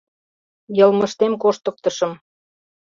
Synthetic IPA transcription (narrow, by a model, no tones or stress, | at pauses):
jɤlməʃt̪emkoʃt̪ə̆k̚t̪əʃəm